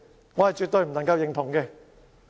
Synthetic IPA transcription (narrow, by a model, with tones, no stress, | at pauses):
ŋɔː˨˧hɐ˨jt͡ʃyː˨t̪ɵ˨ɥm̩˨˩nɐ˨˩ŋkɐ˧wjɪ˧ŋt̪ʰʊ˨˩ŋkɛː˧